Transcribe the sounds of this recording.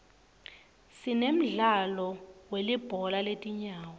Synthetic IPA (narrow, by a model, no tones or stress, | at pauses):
sinem̩ɮalɔwelib̥ʱɔlaletʼiɲaːwɔ